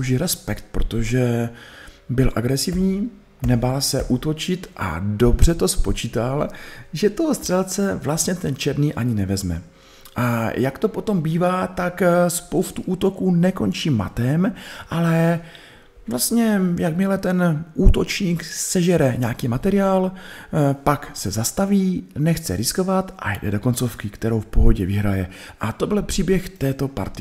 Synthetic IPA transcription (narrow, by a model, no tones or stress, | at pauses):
ʒɪɾɛspɛkt̪̚pɾo̞t̪o̞ʒɛ | bɪlʔa̰ɡɾɛsɪvɲiː | nɛbalsɛʔuːt̪o̞t͡ʃɪt̪ʔa̰do̞br̝ɛt̪o̞spo̞t͡ʃiːt̪alʒɛt̪o̞st̪r̝̥ɛlt͡sɛvlast̪ɲɛt̪ɛnt͡ʃɛɾniːʔaɲɪnɛvɛzmɛ̰ | ʔajakt̪o̞po̞t̪o̞mbiːvaːt̪akspowst̪uʔuːt̪o̞kuːnɛko̞nt͡ʃiːma̰t̪ɛmʔalɛ | vlast̪ɲɛjakmɪlɛt̪ɛnʔuːt̪o̞t͡ʃɲiːksɛʒɛɾɛɲaːkiːmat̪ɛɾɪaːl | paksɛzast̪aviːnɛxt͡sɛ̰ɾɪsko̞vat̪ʔa̰jdɛ̰do̞ko̞nt͡so̞fkɪkt̪ɛɾo̞wfpoɦo̞ɟɛvɪɦɾajɛʔat̪o̞bɪlpr̥iːbjɛxt̪ɛːt̪o̞pa̰ɾt̪ɪ